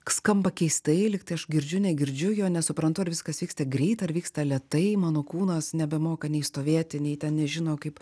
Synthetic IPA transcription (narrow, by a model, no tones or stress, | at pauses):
skɐmbɐkʲɛɪst̪ɐɪlʲɪkt̪ɐɪɐʃɡʲɪɾʲd͡ʒʲʊnʲɛɡʲɪɾʲd͡ʒʲʊjoːnʲɛsʊpɾɐnt̪ʊɐɾʋʲɪskɐsʋʲiːkst̪ɐɡɾʲɛɪt̪ɐrʋʲiːkst̪ɐlʲiɛt̪ɐɪmɑːnoːkuːnɐsnʲɛbʲɛmoːkɐnʲɛɪst̪oːʋʲeɛt̪ʲɪnʲɛɪtʲɛnnʲɛʒʲɪnoːkɐɪp